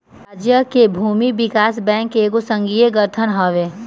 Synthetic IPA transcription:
ad͡ʒjəkebʱuːmiʋɪkaːsbɛ̃ːŋkeɡosə̃ŋɡijeɡəɾt̪ʰənɦɔʋeː

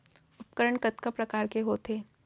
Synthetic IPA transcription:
ʊpkəɾəɳkət̪kəpɾɐkaːɾkeɦoːt̪ʰeː

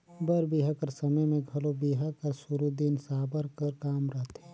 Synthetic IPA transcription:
bəɾbiːɦəkəɾsɐməjmẽɡʱɐlobiːɦəkəɾsʊɾud̪insaːbəɾkəɾkaːmɾəɦt̪ʰɦɛː

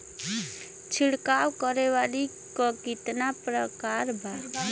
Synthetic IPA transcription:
t͡ʃʰiɽkawkɔɾeʋali | kɔkit̪napɾəkaɾbʱa

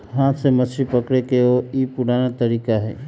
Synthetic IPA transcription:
ɦãːt̪seməsɾipəkɽekeoipʊɽaːnat̪əɾiːkaɦɛ̰ː

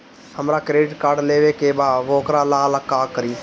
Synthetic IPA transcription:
həmɾaːkɾeːɖɪʈkaːɾɖleːʋekebaːʋoːkɾalaːləkːaːkəɾiː

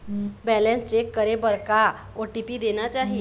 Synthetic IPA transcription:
bɛlẽnst͡sekːəɾebəɾka | oʈipiːd̪enat͡ɕaɦi

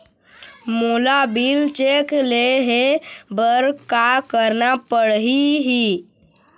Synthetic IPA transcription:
molabilt͡ʃekleɦebəɾkakəɾnapəɽɦiɦi

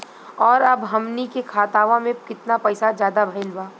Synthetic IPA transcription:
ɔːɾɐbɦɐmnikekʰaːt̪aːʋãmẽkɪt̪napɛɪsad͡ʒjaːd̪abʱɐɪlbaː

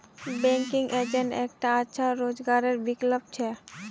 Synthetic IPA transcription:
bɛŋkiŋed͡ʑeɳʈɛk̚ʈaatːʃʰaɾod͡ʑɡaɾeɾbiklob̚t͡ɕʰɛ

